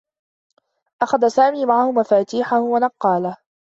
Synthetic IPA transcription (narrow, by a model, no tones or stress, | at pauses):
ʔaxaðasaːmiːmaʕahʊmafaːt̪iːħahʊwanɑqːɑːlah